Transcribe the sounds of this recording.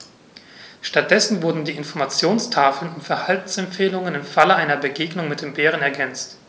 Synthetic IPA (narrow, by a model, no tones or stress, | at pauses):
ʃtat̚d̥ɛsn̩vʊɐdn̩diːɪnfɔɐmat͡sjoːnstʰaːfl̩nʊmfɛɐhaltn̩sɛmfeːlʊŋənɪmfaləaɪnɐbəɡeːɡnʊŋmɪt̚d̥eːmbeːʁ̞ənɛɐɡɛnt͡st